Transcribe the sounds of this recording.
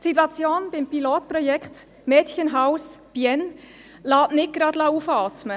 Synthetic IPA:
sit̬wɑt͡sjoːnb̥ɪmpiloːt̚pɾɔjɛkχt | mɛːtçənɦaʊsb̥iɛn | lɑːʔnɪt̚ɡ̥ɾɑdlɑːufɑːtmə

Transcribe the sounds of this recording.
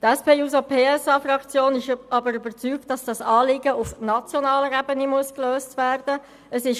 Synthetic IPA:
tɛspeːuːsopʰeːɛsɑfrɑkt͡sjoːnɪʃʔɑbəɾybəɾt͡syːk̚tːɑsd̥ɑsɑːlɪɡəufnɑt͡sjonɑːləɾɛbənimuəskløːstʋæːɾd̥ə | əsɪʃ

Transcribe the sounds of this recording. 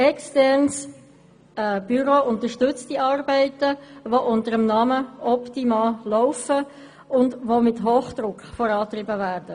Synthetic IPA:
ɛkstɛɾns | b̥yɾoːʊntəʃtʏt͡stiɑːrbɛɪtəʋoʔʊntəɾəmnɑməɔptimɑːlɔʊfə | ʊndʋomɪtɦoːχd̪̥ɾʊkχfɔɾɑːt̪ɾɪbəvæːɾd̥ə

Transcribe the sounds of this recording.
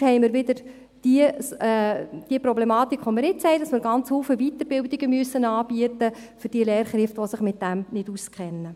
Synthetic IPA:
hɛɪmɪɾʋɪdəɾ | d̥iə | d̥iəprɔblɛmɑːtikʰːχʋomɪɾɪt͡sɛɪdɑsmɪɾɡɑnt͡shuːfəʋitəɾb̥ɪldiɡəmyəsːənɑːb̥iətə | fʏrd̥iəleːrχɾɪftʋosɪχmɪt̚d̥æmnɪduskχɛnːə

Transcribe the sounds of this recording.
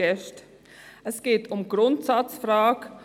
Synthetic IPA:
ɛʃt | ʔɛsɡ̥eːtʊmɡ̥ʁʊntsat͡sfrʁaːk

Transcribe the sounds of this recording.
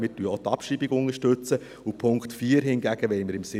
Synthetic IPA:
mɪːɾtyəot̪ɑpʃibiɡʊnəɾʃtɵt͡sə | upʰʊŋktfiːəɾɦɪnɡæɡ̥əʋɛɪməɾɪmsɪ

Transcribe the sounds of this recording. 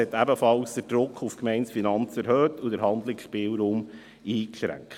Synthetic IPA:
ɛt̪æbəfɑlsd̪̥əɾd̥ɾʊkʰːufkmɛɪnsfinɑnt͡sɛɾhøːtudəɾɦɑnd̪lɪksʃpiːlɾuːm | iːkʃɾæ̰ŋkt

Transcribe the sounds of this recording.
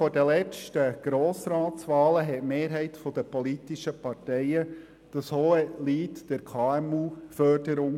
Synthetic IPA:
fɔɾdəlɛt͡stəɡ̥ɾoːsɾɑːt̪sʋɑːləɦɛtmeːɾɦɛɪtfɔd̪əpɔlitiʃəpɑrtɛɪə | d̥ɑshoːəliːtd̥ɛɾkʰɑːɛmuːfœrdəɾʊŋ

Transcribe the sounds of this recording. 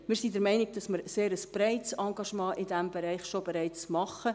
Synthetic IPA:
mɪːɾsidɛɾmɛɪnɪɡ̚d̥ɑsmɪɾseːɾəsb̥rɛɪtsɑŋɡɑʃmɑ̃ːʔɪdæmbɛɾɛɪχʃobɛɾɛɪt͡smɑχə

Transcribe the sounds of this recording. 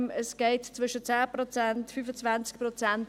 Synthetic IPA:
məsɡ̥ɛɪtt͡svʏʃət͡sæːprot͡sɛntfyːfət͡svant͡skprɔt͡sɛnt

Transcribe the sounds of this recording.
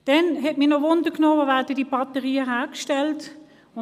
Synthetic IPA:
d̥ɛnɦɛt̚minɔʋʊndəknoːʋoʋæːɐdəd̥ib̥ɑtəʁiːəɦæːkʃtɛlt | ʊ

